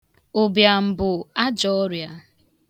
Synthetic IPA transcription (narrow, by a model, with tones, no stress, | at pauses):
o˨bja˨m̩˨bʊ˨a˦d͡ʒɔ˦ɔ˦ɾja˨